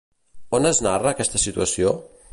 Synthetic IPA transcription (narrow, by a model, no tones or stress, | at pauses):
onəznarəːkɛst̪əsit̪uəsio